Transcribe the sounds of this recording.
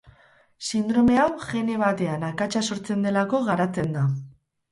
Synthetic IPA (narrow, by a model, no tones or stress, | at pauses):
sind̪ɾo̞me̞awʝe̞ne̞β̞at̪e̞anakat͡ʃaso̞ɾt͡se̞nd̪e̞lako̞ɣaɾat͡se̞nd̪a